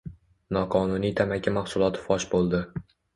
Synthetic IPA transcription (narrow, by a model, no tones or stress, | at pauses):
nɒqʰɒnʊnijt̪ʰamakʲːamaχsʊlˠɒt̪ʰɪ̥fɒʃbolˠd̪ɪ